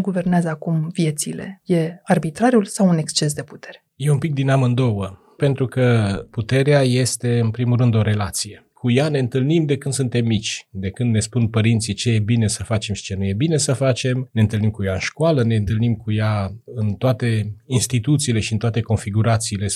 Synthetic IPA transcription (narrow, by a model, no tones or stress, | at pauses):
ɡuve̞rneazəakumvje̞t̪sḭle̞̰je̞arbit̪ɾaɾjulsawune̞kst͡ʃe̞s̬d̪e̞pu̥t̪e̞ɾeje̞umpik̚d̪inamɨnd̪o̞wə | pe̞nt̪ɾukəput̪e̞ɾeaje̞st̪e̞ɨnpɾimulɾɨnd̪o̞ɾe̞lat̪sije̞ | kʰujane̞ɨnt̪ɨlnimd̪e̞kɨnd̪sunt̪e̞mːit͡ʃʲd̪e̞kɨnd̪ne̞spunpəɾint̪sit͡ʃe̞je̞bine̞səfat͡ʃe̞mʃi̥t͡ʃe̞nuje̞bine̞səfat͡ʃe̞mneɨnt̪ɨlnimkujaɨ̰nʃkoaləne̞ɨnt̪ɨlnimkujaɨnt̪oat̪e̞inst̪it̪ut̪siːle̞ʃiɨnt̪oat̪e̞ko̞nfiɡuɾat̪siːle̞